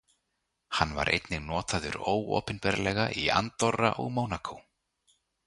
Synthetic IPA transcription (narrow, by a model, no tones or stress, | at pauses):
hanːva̰ɾʔḛjt̪nɪɣnɔːt̪aðʏɾoːwɔ̰ːpɪnpɛɾlɛɣaʔiant̪ɔrːa̰ʔɔɣmoːwnakʰow